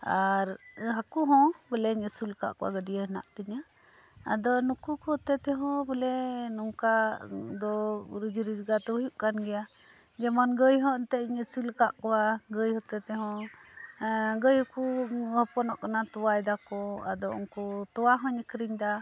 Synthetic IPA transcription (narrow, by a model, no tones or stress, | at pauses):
aɾɦakuɦɔ̃bəlɛɲəsulka̰ʔkɔwa̰ɡəɖijəɦəna̰ʔt̪əɲa | a̰d̪ɔnukukɔhɔt̪ɛt̪ɛɦɔ̃bəlɛnɔŋkad̪ɔɾid͡ʒɾid͡ʒɡat̪ɛujuʔkanɡɛja | d͡ʒɛmɔnɡəjɦɔ̃nt̪ɛɲəsulkaʔkɔwaɡəjhɔt̪ɛt̪ɛɦɔ̃ | ɡəjhəkuhɔpɔnɔʔkanat̪uwajd̪akɔa̰d̪ɔɔ̰ŋkɔt̪ɔwaɦɔ̃ɲəkəɾiɲd̪a